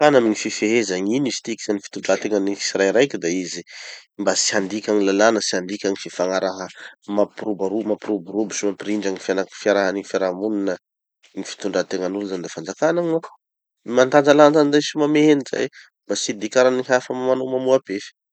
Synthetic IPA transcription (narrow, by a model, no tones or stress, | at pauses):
kanamiŋififeɦezaɲinizi̥t̪iki̥z̥anifi̥t̪uɳɖ͡ʐat̪eŋənii̥siɾajɾajkʲid̪aizimbasi̥and̪ikʲaŋilalanəsiand̪ikʲaŋififaŋaɾaɦəmaprubaɾumapɾubuɾubisumapriɳɖ͡ʐaŋifianafiaɾaɦanifaɾamuninə | ŋifi̥t̪uɳɖ͡ʐat̪eŋənuluzand̪afand͡zakanaŋa | mant̪and͡zaland͡zanzasimameɦeniza̰j | mbasid̪ikʲaɾaniɦafəmamanomamuab̥efi̥